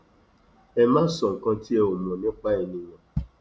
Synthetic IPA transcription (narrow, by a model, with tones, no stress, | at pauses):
ɛ˨mã˦sɔ˨ŋ̩˨kɔ̃˦ti˦e˨o˨m˨o˨nɪ̃˦k͡pa˦e˨ni˨ɲɔ̃˨